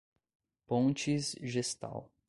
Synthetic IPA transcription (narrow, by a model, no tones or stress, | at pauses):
põnt͡ʃizʒest̪a̰w